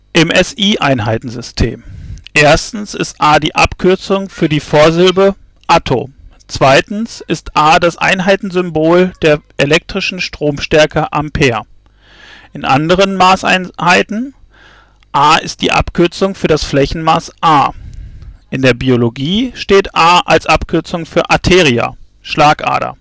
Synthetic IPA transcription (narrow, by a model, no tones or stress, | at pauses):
ʔɛmʔɛsiːʔaɪnɦaɪtn̩zʏstʰḛːmʔeːɐstn̩sɪ̰stʔaːdiːʔa̰pkʰʏɐt͡sʊŋfyːɐdiːfoːɐzɪlbə | ʔatʰo̰ː | t͡sv̥aɪtn̩sɪstʔaːdasʔa̰ɪnɦaɪtn̩zʏmboːld̥eːɐʔelɛk̚tʁ̥ɪʃn̩ʃtʁ̥oːmʃtɛɐkʰəʔampʰeːɐ | ʔɪnʔa̰ndəʁ̞ənmaːsʔa̰ɪnhaɪtn̩ | ʔaːɪ̰st̚d̥ḭːʔa̰pkʰʏɐt͡sʊŋfyːɐdasflɛçn̩maːsʔaː | ʔɪndeːɐbioloɡiːʃteːtʔaːʔalsʔapkʰʏɐt͡sʊŋfyːɐʔatʰeːʁia̰ | ʃlaːkʔa̰ːdɐ̰